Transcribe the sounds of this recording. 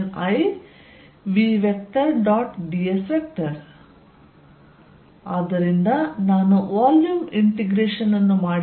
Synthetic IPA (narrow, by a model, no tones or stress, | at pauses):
nɐj | ʋiʋek̚ʈɐɾɖaːʈɖiesʋek̚ʈɐɾ | aːd̪ːɐɾind̪ɐnaːnuʋaːljumiɳʈiɡɾeːʂɐnːɐnːumaːɽ